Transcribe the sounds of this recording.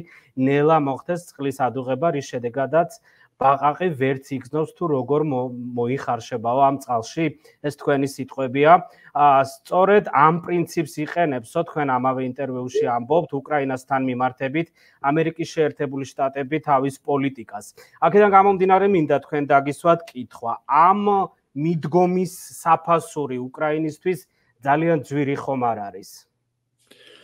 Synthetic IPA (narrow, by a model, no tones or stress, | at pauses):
nɛlˠamɔχt̪ʰɛst̪sʼqʼlisad̪uʁɛbaɾisʃɛd̪ɛɡad̪at̪sʰ | b̥aqʼaqʼivɛɾt̪sʰiɡznɔpst̪ʰuɾɔɡɔɾmɔiχaɾʃɛbaɔamt̪sʼqʼalˠʃi | ɛst̪ʰkʰwɛnisit̪ʼqʼwɛbia | st̪sʼɔɾɛd̪ampʼɾint̪sʰipsiqʼɛnɛpsɔt̪ʰkʰwɛnamavɛint̪ʼɛɾviuʃiambɔp̚t̪ʰukʼɾainast̪ʰanmimaɾt̪ʰɛbit̪ʰ | amɛɾikʼisʃɛːɾt̪ʰɛbuliʃt̪ʼat̪ʼɛbit̪ʰavispʼɔlit̪ʼikʼas | akʰɛd̪anɡamɔmd̪inaɾɛmind̪at̪ʰkʰwɛnd̪aɡiswat̪ʰkʼit̪ʰχwaamː | id̪ɡɔmisːapʰasuɾiukʼɾainist̪ʰwis | d̪zaliand̪zwiɾiχɔmaɾaɾis